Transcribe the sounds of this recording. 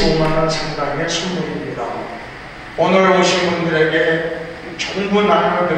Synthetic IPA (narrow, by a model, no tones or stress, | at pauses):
omanansʰaŋdaŋesʰummoimɲida | ʌnʌɾwʌɕʰinbundɯɾe̞ɡe̞ | t͡ɕʌŋbunaɾaɡade